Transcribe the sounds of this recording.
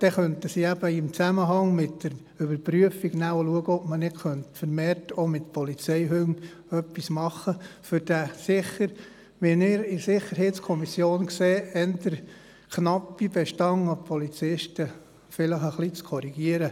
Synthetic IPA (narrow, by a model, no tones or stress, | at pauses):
d̪̥ɛχœntəsiæb̥əɪmt͡sæməɦɑŋmɪtːəɾ | ʏbəɾpɾyəfiɡnæwəluəɡəɔbmənɪɡχœntfəɾmeːɾtʰomɪt̪pɔlit͡sɛɪɦøŋ | œpːismɑχːəfʏɾd̥æsɪχəɾ | ʋɪnɪɾɪsɪχːəɾɦɛɪtskʰɔmisjoːnkseːɛnd̪əɾ | knɑpːibɛʃtɑŋɑpʰɔlit͡sɪʃtə | fɪləχəχlit͡skʰɔɾiɡ̥iəɾə